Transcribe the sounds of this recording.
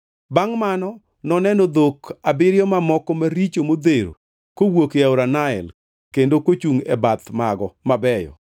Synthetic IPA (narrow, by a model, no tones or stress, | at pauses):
baŋmanɔ | nɔnɛnod̪okabɪɾjɔmamɔkɔmaɾit͡ʃomod̪eɾo̰ | kowokaoɾanaɛ̰l | kendokot͡ʃuŋɛ̰bat̪maɡɔmabɛjɔ̰